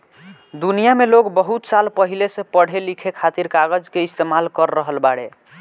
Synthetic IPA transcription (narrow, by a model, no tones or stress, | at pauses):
d̪unijameloɡbəɦut̪salpəɦilesẽpəɽ̤elikʰekʰat̪iɾkaɡəd͡ʒkeist̪emalkəɾːəɦəlbaɽḛ